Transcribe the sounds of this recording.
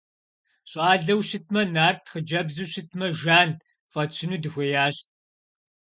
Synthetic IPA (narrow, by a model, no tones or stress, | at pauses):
ɕʼaːɮɐwʃɪt̚ʰmɐnaːrtʰχəd͡ʒɐbzuːɕɪtʰmɐʒaːn | fɐt͡ʃʰɪnuːdɨxʷɔjaːɕt̚